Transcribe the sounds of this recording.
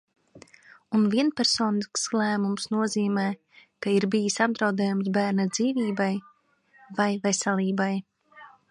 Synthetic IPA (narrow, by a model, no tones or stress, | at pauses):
unviɛnpɛɾsoːniskslˠæːmumsnuɔziːmɛː | kaiɾbijisab̚d̪ɾawd̪ɛːjumsbæːɾnad̪ziːviːbaj | vajvɛsɛlʲˠiːbaj